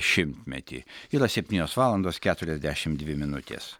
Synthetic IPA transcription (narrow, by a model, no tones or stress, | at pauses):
ʃʲɪmʲt̪ʲmʲɛt̪ʲḭːiɾɐsʲɛpʲt̪ʲiːnʲoːsʋɑːlˠɐnd̪oːskʲæːt̪ʊɾʲɛzʲd̪ʲæʃʲɪmd̪ʲʋʲɪmʲɪnʊt̪ʲḛːs